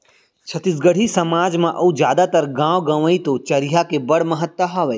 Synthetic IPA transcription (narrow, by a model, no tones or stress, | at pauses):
t͡ʃʰɐt̪ɪsɡəɽ̤ʱisɐmaːd͡ʒmãʔɐud͡ʒjaːd̪at̪ɐɾɡãːʋɡɐ̃ʋəit̪ot͡ʃɐɾiɦakebɐɽmɐɦət̪wɐɦɐːʋe